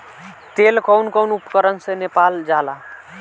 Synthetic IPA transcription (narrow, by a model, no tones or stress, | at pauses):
t̪elkɔwnkɔwnupkəɾənsenepald͡ʒala